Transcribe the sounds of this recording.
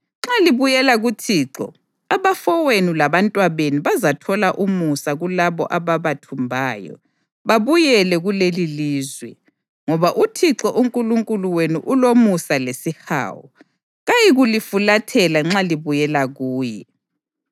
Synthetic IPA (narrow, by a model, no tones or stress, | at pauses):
ŋ͡ǁaliβujɛlaɣutʰiǁɔ̰ | aβafɔwenulaβantʼwaβeniβazatʰɔlaʔumusaɣulaβɔ̰ʔaβaβatʰumbʱaːjɔ̰ | βaβujɛlɛɣuleliliːzwɛ | ŋɔβaʔutʰiǁɔʔuŋkʼuluŋkʼuluwenuʔulomusalesiha̰ːwɔ̰ | ɣajiɣulifulatʰɛlaŋ͡ǁaliβujɛlaɣuːjɛ̰